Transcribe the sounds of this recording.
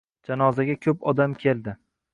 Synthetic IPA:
d͡ʒanɒzaɡʲakʲʰɵpɒd̪amkʲʰe̞lˠd̪ɪ

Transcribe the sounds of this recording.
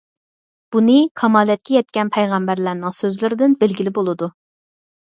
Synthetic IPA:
b̥unɨkʰɑmɑːlˠɛt̪̚kʲɛjɛt̪̚kʲɛnpʰɛjʁæmbæɾlæɾnɪŋsøzlɪɾɪd̪ɪnbelɡʲilɪbolˠɨd̪u

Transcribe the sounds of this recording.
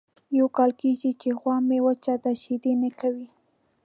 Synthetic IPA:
jawkɑlkeʒit͡ʃeɣwɑmewat͡ʃad̪aʃid̪enakawi

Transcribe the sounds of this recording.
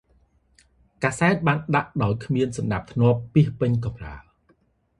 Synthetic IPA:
kaːsaɛt̪̚ɓaːnɗaʔɗaɔjkʰmiənsɑmɗap̚t̪ʰnŏəpːiəhpɨɲk̬ɑmra̰əl

